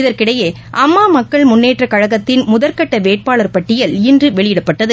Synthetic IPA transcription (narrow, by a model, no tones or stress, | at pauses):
ɪðɐɾkɪɽɐjeː | ʔɐmːaːmɐkːɐɭmʊnːeːʈrɐkɐɻɐɣɐt̪ːɪnmʊðɐɾkɐʈːɐʋeːʈ̚paːɭɐɾpɐʈːɪjɐlɪndrɯʋɛɭɪjɪɽɐpːɐʈːɐðɯ